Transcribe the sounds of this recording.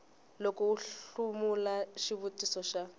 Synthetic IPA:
lɔkɔuɬumulaʃiβutʼisɔʃa

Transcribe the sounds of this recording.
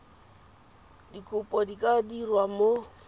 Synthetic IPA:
dikʰʼʊpʼɔdikʼadirwamo

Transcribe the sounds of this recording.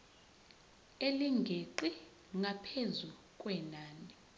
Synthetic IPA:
eliŋɡʱeǃi | ŋɡʱapʰezu | kʼwɛnaːni

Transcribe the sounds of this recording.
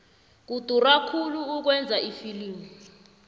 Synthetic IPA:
k̬ud̥ʱurakʰuluːk̬wɛnd͡zʱaʔifiliːmu

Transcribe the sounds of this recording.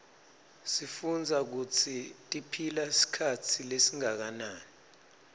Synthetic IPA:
sifund͡zʱak̬ut͡sʰitʼipʰilasi̥kʰat͡sʰilesiŋak̬anaːni

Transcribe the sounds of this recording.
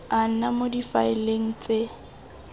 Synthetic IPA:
an̩namodifa̰ɪleŋ̩t͡sʼe

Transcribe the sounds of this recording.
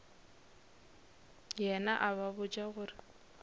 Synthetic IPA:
jɛnaʔaβaβʊt͡ʃʼaɣʊrɪ

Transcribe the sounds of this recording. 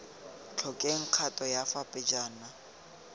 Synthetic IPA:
t͡ɬʰɔkʼɛŋ̩q͡χʰatʼɔjafapʼɪd͡ʒaːna

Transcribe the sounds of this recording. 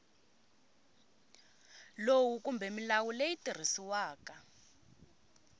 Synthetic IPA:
lowukumbʱɛmilawulejitir̤isiwaːka

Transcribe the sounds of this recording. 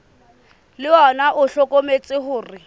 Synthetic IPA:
lɪɔnaʔʊɬɔkʼomet͡sʼɪhʊːrɪ

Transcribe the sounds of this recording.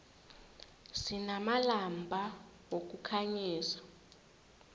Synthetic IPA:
sinamalambʱa | wok̬ukʰaɲiːsḁ

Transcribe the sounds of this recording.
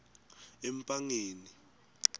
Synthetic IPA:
ɛmpʼaŋeːni

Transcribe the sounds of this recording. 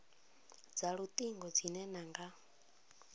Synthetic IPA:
d͡zaɺut̪ʼiŋɡɔd͡zinɛnaŋɡa

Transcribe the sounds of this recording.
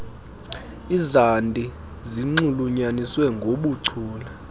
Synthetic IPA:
izandʼʱi | ziŋ͡ǀuluɲaniswɛŋɡʱoɓuǀʰuːla

